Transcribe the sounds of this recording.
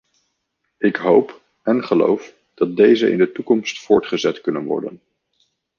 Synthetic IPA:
ɪkɦowp | ɛnχəlo̰wf | d̥ɑt̚dejzəʔɪ̰ndətukɔmstfʊːɹtχəzɛtkɵnənʋɔ̰ɹdə̰n

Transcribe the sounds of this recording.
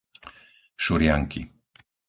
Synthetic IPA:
ʃuɾjaŋkḭ

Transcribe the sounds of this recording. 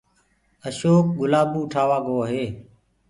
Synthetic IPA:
əʃoːk̚ɠʊlaːbuːʈʰaːʋaːɡoːɦeː

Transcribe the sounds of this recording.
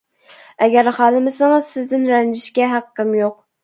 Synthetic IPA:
ɛɡʲæɾχɑːlˠɨmɪsɑŋɨzsɪzd̪ɪnɾɛnd͡ʒɪʃkʲɛɦæqːɨmjoq̚

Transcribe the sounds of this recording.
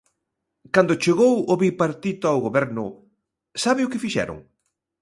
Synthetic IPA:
kand̪ʊt͡ʃeɣowoβipaɾt̪it̪ʊawɣoβɛɾnʊ | saβɪʊkɪfiʃɛ̰ɾʊ̰ŋ

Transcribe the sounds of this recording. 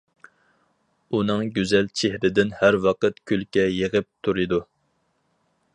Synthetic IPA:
unɨŋɡʲyzɛlt͡ʃʰehɾɪd̪ɪnhæɾwɑqət̪kʲʰylkʲɛjeʁəp̚t̪ʰuɾɨd̪u

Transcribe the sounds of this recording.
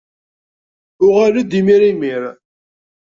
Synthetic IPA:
ʊʁalæd̪imiɾimiɾ

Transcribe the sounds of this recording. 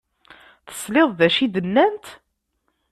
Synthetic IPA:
θə̥sleðˤðæʃid̪ənːænt̪

